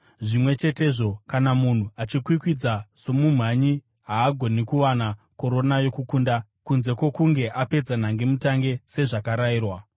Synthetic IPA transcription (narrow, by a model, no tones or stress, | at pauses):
ʐimwe̞t͡ʃe̞te̞ʐo̞kanamun̤uat͡ʃikwikwid͡zasomum̤waɲi | ɦaːɡʱo̞nikuʋanako̞ɾo̞najo̞kukundakunze̞kwo̞kuŋɡe̞ʔape̞d͡zan̤aŋɡe̞mutaŋɡe̞se̞ʐakaɾaiːrwa